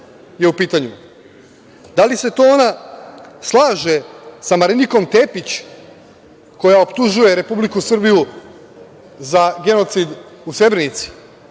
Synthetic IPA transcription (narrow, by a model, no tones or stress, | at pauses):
je̞upiːt̪aɲu | d̪alise̞t̪o̞ona | slˠaːʒe̞samaɾiniko̞mt̪e̞ːpit͡ɕ | ko̞jaopt̪uʒuje̞ɾe̞publikusr̩biju | zaɡe̞no̞t̪sid̪usɾe̞bɾenit̪si̥